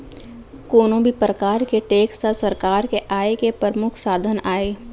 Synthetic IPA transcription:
koːnõbʱipɾəkaːɾkeʈeːksasəɾkaːɾkeʔaːekepəɾmʊkʰsaːd̪ʱənaːeː

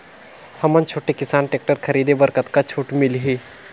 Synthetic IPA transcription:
hɐmənt͡ʃʰoːʈekɪsaːnʈeːk̚ʈəɾkʰɐɾiːd̪ebəɾkət̪kat͡ʃʰoːʈmɪlɦiː

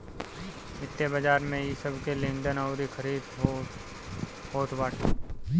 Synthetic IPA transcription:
mɪt̪ːjebəd͡ʒaːɾmẽjisəbʱkelɪ̃nɖ̪ənɐʊɾikʰəɾiːd̪ɦ | hoːt̪ʰbaːʈʰe

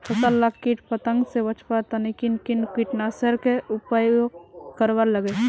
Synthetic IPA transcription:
pʰət̪əlːakːiʈpət̪ə̃ŋɡsebət͡ʃʰpaɾt̪anikinkinkiʈnasəɾkeʊpajokəɾʋəɾləɡe

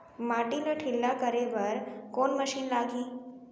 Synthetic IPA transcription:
maʈiləʈʰilːakəɾeʋəɾkoːnməʃiːnlaɡiː

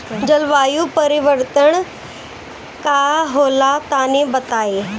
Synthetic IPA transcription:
d͡ʒəlʋaːjupəɾɪʋəɾt̪əɳ | kaɦoːlat̪anebɐt̪aːe

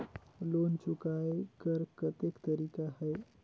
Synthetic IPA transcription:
lont͡ʃukaːekəɾkət̪ekt̪əɾiːkahəe

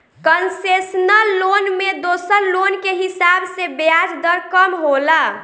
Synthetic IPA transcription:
kənsesnəlːonmed̪osəɾlonkeɦisabsebjad͡ʒd̪əɾkəmɦola

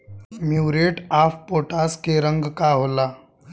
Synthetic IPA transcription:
miwɾeʈafpoʈaskeɾəŋɡkaɦola

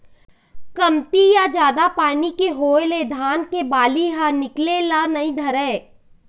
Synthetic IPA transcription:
kɐmt̪ijad͡ʒjaːd̪apaːnikeɦoːeled̪ʱaːnkebaːliɦanɪklelanɐĩd̪ʱɐɾɛː

